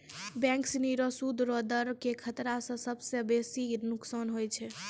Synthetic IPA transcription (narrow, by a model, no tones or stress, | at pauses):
bɛ̃ŋksniɾəsud̪ɾɔd̪əɾkekʰət̪ɾasə̃səbsebesinuksanɦojt͡ʃʰɛ